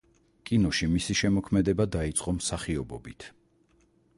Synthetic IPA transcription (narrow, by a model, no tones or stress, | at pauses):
kʼinɔʃimisiʃɛmɔkʰmɛd̪ɛbad̪ait̪sʼqʼɔmsaχiɔbɔbit̪ʰ